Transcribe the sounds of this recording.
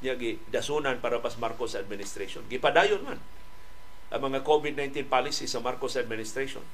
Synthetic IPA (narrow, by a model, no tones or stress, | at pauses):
ɲaʔɡɪ | d̪asunanpaɾabasmaɾkosad̪̚mɪnɪst̪ɾeʃonɡɪpad̪aːjʊnman | ʔa̰ŋmɐŋakobɪd̪̚najnt̪inpalisisɐmaɾkosad̪mɪnɪst̪ɾeʃo̰n